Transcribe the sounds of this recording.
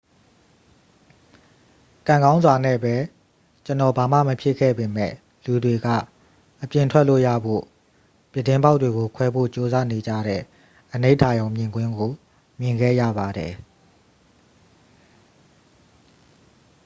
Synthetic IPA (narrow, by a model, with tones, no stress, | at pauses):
kã˨ŋɡã˦ʊ̃nzwa˨nɛ̰˦˨bɛ˦ | t͡ɕənɔ˨ba˨mä̰˦˨məpʰjɪ˦˨kʰɛ̰˦˨be˨mɛ̰˦˨ | lu˨dwe˨ɡa̰˦˨ | ʔəpjɪ̃˨ntʰwɛ˦ʔlo̰˦˨jä̰˦˨bo̰˦˨ | pjɪ˦˨tːɪ̃˦mba˦ʊtːwe˨ɡo˨kʰwɛ˦bo̰˦˨t͡ɕo˦za˦ne˨d͡ʑa̰˦˨ɾɛ̰˦˨ | ʔəne˦tʰa˨jõ˨ʊ̃mjɪ̃˨ŋɡwɪ̃˦ŋɡo˨ | mjɪ̃˨ŋɡɛ̰˦˨jä̰˦˨ba˨dɛ˨